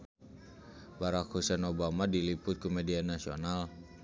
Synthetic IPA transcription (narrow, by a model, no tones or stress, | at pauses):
baɾakhusɛnobamadilipʊt̪̚kumɛdianːasional